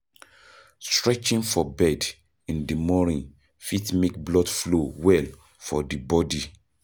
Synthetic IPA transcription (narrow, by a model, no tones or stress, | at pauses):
stɹɛt͡ʃĩŋfɔbɛd | ĩndəmɔnĩn | fitmek̚blɔdflowɛl | fɔdibɔdi